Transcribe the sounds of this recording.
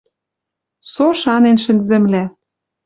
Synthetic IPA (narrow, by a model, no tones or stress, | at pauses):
soʃɑnenʃɘ̆nzĕmlæ